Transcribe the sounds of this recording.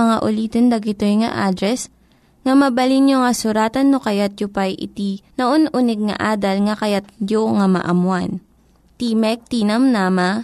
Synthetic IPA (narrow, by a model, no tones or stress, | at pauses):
ɐŋaʔʊliːt̪ond̪ɐɡɪt̪ojŋɐ̰ʔaːd̪ɾɛs | ŋɐmɐbɐlinjoŋɐsʊɾaːt̪ɐnːokɐjat̪̚jopajʔɪ̰t̪inɐʔonʔʊnɛɡ̚ŋɐ̰ʔaːd̪ɐlŋɐkɐjat̪̚joŋɐmɐ̰ʔɐmwan | t̪imɛk̚t̪inɐmnaːmɐ